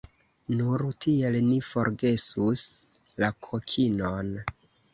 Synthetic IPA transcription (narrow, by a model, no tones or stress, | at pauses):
nuɾtʰie̞lnifo̞ɾɡe̞sus | lakʰokʰino̞n